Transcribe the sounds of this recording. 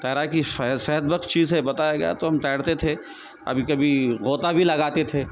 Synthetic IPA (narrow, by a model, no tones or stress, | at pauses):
tɛːɾakissɛɦəd̪̚bɐkt̪t͡ʃiːzɦebɐt̪aːjaɡɐja̰t̪oɦɐmʈ̪ɛːɽt̪et̪ʰe | ɐ̰bʱikɐbʱiɣoːt̪abʱilɐɡaːt̪et̪ʰeː